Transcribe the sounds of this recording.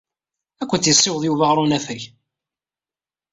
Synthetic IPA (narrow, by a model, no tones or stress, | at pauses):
ækʷːənt̪jəsˤːɪwðˤjuvaʁɾˤunæθəç